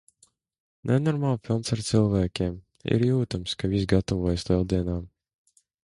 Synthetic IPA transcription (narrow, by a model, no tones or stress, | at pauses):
nʔenɔɾmalˠfʲilˠnsaɾt̪silˠvæːkʲeːm | ḭɾjuːt̪amskavʲis̬ɡat̪ɔvɔɔjslˠɛlˠd̪iɛnaːm